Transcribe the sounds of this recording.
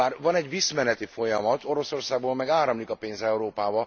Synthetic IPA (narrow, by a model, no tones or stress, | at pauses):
aːrvɒnɛɟvismɛnɛt̪ifo̞jɒmɒt̪ʰo̞ɾo̞so̞rsaːɡ̚boːlmɛɡaːɾɒmlikɒpeːnzɛuɾoːpaːbɒ